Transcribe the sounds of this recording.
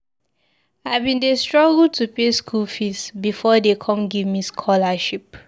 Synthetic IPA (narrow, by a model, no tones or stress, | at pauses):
avbĩndestɹɔɡəltʰupeskʰulfisbifɔdekʰɔ̃mɡivmiskʰɔlaʃip